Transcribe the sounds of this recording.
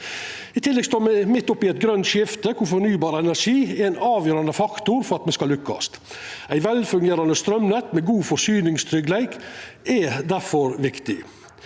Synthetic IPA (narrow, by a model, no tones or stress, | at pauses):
ɪt̪ʰɪlːɛɡst̪oːɾmɛmɪt̪ːʊpːɪɛɪt̪̚ɡɾœnt̪ʃɪft̪əkʰʊfɔɾnyːbɑːɾɛnæɾʂiːɛɛɪnɑːʋjøːɾɑnd̪əfɑkt̪ʊɾfɔɾɑt̪mɛskɑlːʉkːɑ̰st̪ | æɪʋɛlfʉŋɡeːɾɑnəst̪ɾœmnɛt̪mɛɡuːfɔsyːnɪŋst̪ʰɾʏɡlæɪkɛd̪æɾfɔɾʋɪkt̪ɪ̰